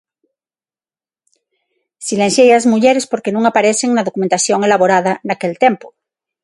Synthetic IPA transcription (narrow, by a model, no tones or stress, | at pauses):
silensjejazmuʝeɾespoɾkenũŋapaɾeseŋnaðokumẽnt̪asjoŋe̞laβoɾaðanakelt̪empo̥